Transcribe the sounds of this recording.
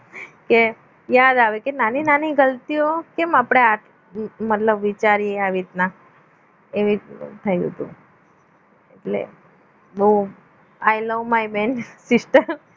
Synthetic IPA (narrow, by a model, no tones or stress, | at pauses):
ke | jad̪aʋekenaninaniɡəlt̪iokemapɽ̃ea | mət̪ləbʋit͡ʃaɾijeaʋit̪na | eʋit̪ʰəjɦə̰t̪ṵ̃ | eʈlḛ | bəu | ajləʋmajmɛnsɪsʈəɾ